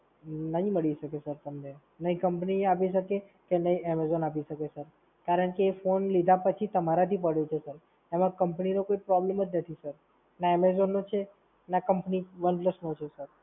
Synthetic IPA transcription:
nəɦĩməɭiʃəkesəɾt̪əmne | nəɦĩkəmpniapiʃəke | kenəɦĩɛmezonapiʃəkesəɾ | kaɾəɳkeːfonlid̪ʱapət͡ʃʰit̪əmaɾat̪ʰipəɽjot͡ʃʰesəɾ | emãkəmpninokoipɾɔbleməd͡ʒnət̪ʰisəɾ | naɛmezonːot͡ʃʰe | nakəmpniʋəɳɖləsnot͡ʃʰesəɾ

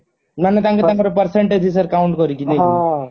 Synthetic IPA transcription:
nanet̪aŋkɔt̪aŋkɔɾepəɾseɳʈed͡ʒisəɾkauɳʈkɔɾikine

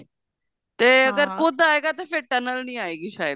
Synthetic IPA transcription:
t̪eːəɡəɾkʊd̪aːeːɡaːt̪aːpʰeɾʈənəlnĩːaːeːɡiːʃaːjə

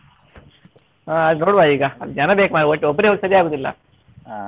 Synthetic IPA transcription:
aɐd̪noːɽʋaiːɡɐɐld͡ʒɐnɐbeːkmaːɽioʈːiɔbːɐɾeɦoːɡisɐɾijaːɡoːd̪ilːɐ̰

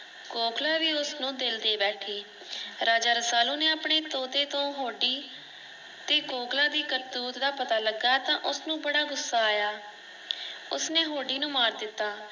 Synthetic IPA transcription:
koːkʰlaːʋiːʊsnũːd̪ɪld̪eːbɛːʈʰiː | ɾaːd͡ʒaːɾəsaːluːneːaːpɳeːt̪oːt̪eːt̪õːɦoːɖiː | t̪eːkoːklaːd̪iːkəɾt̪uːt̪d̪aːpət̪aːləɡːaːt̪ãːʔʊsnũːbəɽaːɡʊsːaːaːjaː | ʊsneːɦoːɖiːnũːmaːɾd̪ɪt̪ːaː

